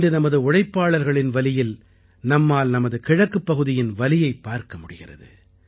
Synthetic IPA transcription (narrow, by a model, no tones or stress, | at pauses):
ɖɯnɐmɐðɯʊɽɐɪpːaːɭɐɾɣɐɭɪnʋɐlɪjɪl | nɐmːaːlnɐmɐðɯkɪɻɐkːɯpːɐɣɯðɪjɪnʋɐlɪjɐɪpːaːɾkɐmʊɽɪɣɪrɐ̰ðɯ̰